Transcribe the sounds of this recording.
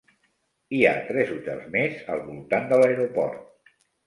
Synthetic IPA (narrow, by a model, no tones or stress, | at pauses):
ia̰t̪ɾɛzut̪ɛ̰lˠzmezəlˠβulˠt̪and̪ələeɾopɔ̰ɾt̪̚